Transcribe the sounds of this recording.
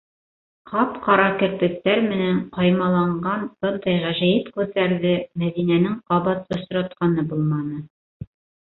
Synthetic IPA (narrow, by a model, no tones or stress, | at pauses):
qɑpqɑɾɑkɘ̆ɾt̪ɘ̆k̚t̪æɾmɘ̆næɴqɑjmɑlˠɑɴɢɑnb̥ɤ̆nd̪ɑjʁæʒæjit̪kʉθæɾðɘmæðinænɘŋqɑβɑt̪ŏɕɾɑt̪̚qɑnɤbulˠmɑnɤ